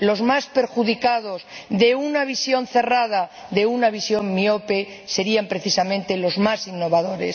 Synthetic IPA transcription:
lo̞zmaspe̞ɾxuðikaðo̞zðe̞unaβ̞isjo̞nθe̞rað̞a | ðe̞unaβisjo̞ŋːiope̞ | se̞ɾiampɾe̞θisamẽnt̪e̞lo̞zmasinːo̞βaðo̞ɾe̞̰s

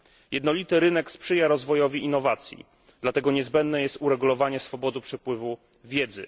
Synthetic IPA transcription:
jʔɛd̪nɔlʲit̪ɘɾɘnɛkspʂɘjaɾɔzvɔjɔvʲiinːɔvat̪sʲjḭ | d̪̥lat̪ɛɡɔɲɛzbɛnd̪nɛjɛst̪uɾɛɡulɔvaɲɛsfɔbɔd̪ɘpʂɛpwɘvu | vʲjɛd̪zɘ̰

